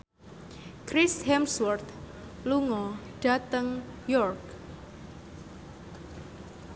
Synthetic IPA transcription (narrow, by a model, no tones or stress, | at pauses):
kɾɪshɛmswɔrt̪ | luŋɔɖ̥a̤t̪əŋ | jɔrk